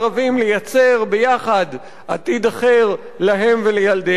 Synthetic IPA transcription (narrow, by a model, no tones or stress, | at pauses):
avimlejat͡se̞ʁbejaχad̪ | at̪id̪aχeʁ | laɦe̞mvelejald̪e